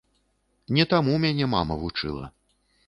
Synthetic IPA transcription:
nʲɛt̪amumʲanʲɛma̰mɐvut͡ʂɨ̰lˠɐ̰

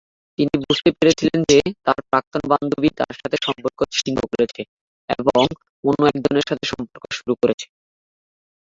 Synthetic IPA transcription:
t̪inibud͡ʑʱt̪epeɾet͡ɕʰilend͡ʑet̪aɾpɾak̚t̪onband̪ʱobit̪a̰ɾʃat̪ʰeʃɔmpoɾkoʃiŋɡʱo̰koɾet͡ɕʰe | ḛboŋ | onoɛk̚d͡ʑoneɾʃat̪ʰeʃɔmpoɾkoʃuɾukoɾet͡ɕʰe̥

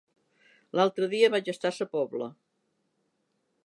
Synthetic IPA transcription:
lalˠt̪ɾəðiəβaʒəst̪asəpɔβlə̰

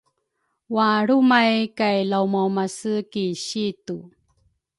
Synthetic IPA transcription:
waɾumajkajlawmawmasəkiɕitu

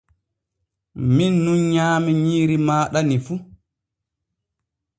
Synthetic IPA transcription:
minːunɲaːmiɲiːɾimaːɗanifu

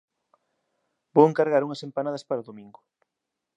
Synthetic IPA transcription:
b̥oweŋkaɾɣaɾuŋɐsempanað̞ɐspaɾaoðomĩŋɡʊ

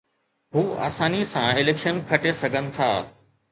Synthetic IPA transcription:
ɦuːa̰ːsaːnisãɪleːkʃənkʰɐʈesɐɡʱənɪ̆t̪ʰaː

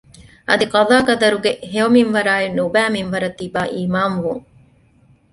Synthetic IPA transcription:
ʔɐd̪iqɑðaːkɐd̪ɐɾuɡeɦeɐmiʋɐɾaːinubæːminʋɐɾɐt̪ːibaːʔiːmaːnʋuŋ

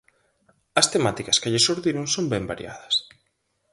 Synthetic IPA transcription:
ɐst̪emat̪ikɐskɪʎɪsuɾðiɾoŋsombɛmbaɾj̰a̰ðɐs

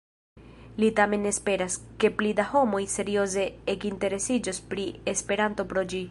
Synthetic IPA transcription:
litame̞nespe̞ɾaske̞plidaho̞mo̞jse̞ɾio̞ze̞ekinte̞ɾe̞sid͡ʒospɾiespe̞ɾanto̞pɾo̞d͡ʒi

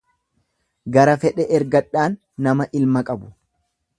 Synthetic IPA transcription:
ɡɐɾɐfɛᶑɛʔɛɾɡɐᶑːaːnː | ɐmɐʔɪlmɐkʼɐbʊ̥

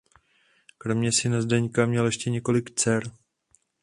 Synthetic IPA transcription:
kɾo̞mɲɛsɪnazdɛɲkamɲɛljɛʃcɛɲɛko̞lɪkt͡sɛɾ

